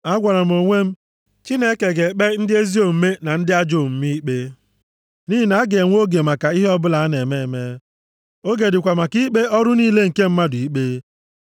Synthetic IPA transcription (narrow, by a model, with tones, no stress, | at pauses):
a˦ɡʷa˨ɾa˨m̩˨o˨ŋʷe˦m̩˦ | t͡ʃi˦ne˦ke˨ɡe˨k͡pe˦n̩˦dɪ˦e˦zi˦o˨m̩˦me˦na˨n̩˦dɪ˦a˦d͡ʒo˦˨m̩˦mi˦k͡pe˦ | ni˦i˨na˨˦a˦ɡe˨ŋʷ˦o˦ɡe˨ma˨ka˨i˦ɦe˦ɔ˦bʊ˦la˨a˦ne˨me˦˨e˨me˦ | o˦ɡe˨dɪ˨kʷa˨ma˨ki˦k͡pe˦ʔɔ˦ɾʊ˦niː˦le˦ŋ̩˨ke˦m̩˦ma˦di˦k͡pe˦